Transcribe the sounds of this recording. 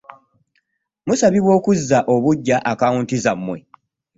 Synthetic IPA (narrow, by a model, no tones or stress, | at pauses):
musaβiβwo̞ːkuzːaʔo̞βuɟːaʔakawuntizamːwe̞̰